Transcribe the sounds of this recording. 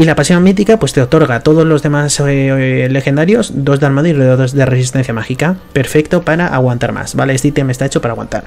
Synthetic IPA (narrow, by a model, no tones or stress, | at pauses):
ilapasjo̞nmit̪̬ikapwe̞st̪eot̪o̞ɾɣat̪o̞ðo̞zlo̞zðe̞masele̞xe̞nd̪aɾjo̞zd̪o̞zðealmaðoireðoðozðere̞sis̬t̪e̞nθjamaxikape̞ɾfe̞kt̪o̞paɾaʔaɣwant̪aɾma̰sbalest̪it̪jemest̪aet͡ʃo̞paɾaɣwa̰nt̪a̰ɾ